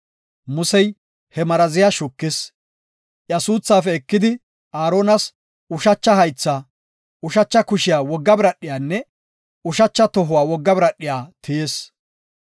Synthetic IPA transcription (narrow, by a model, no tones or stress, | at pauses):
mʊsɛj | hɛmɐɾɐzɪjaʃʊkːɪs | ʔjɐsuːt͡sːaːfɛːkːɪd̪ɪ | aːɾoːnɐs | ʊʃɐt͡ʃːɐhɐjt͡sːaː | ʊʃɐt͡ʃːɐkʊʃɪjaːwɔɡːɐbɪɾɐɗɪjaːnːɛ | ʊʃɐt͡ʃːɐt̪ɔɦʊwaːwɔɡːɐbɪɾɐɗːɪjaːt̪ʰɪjeːs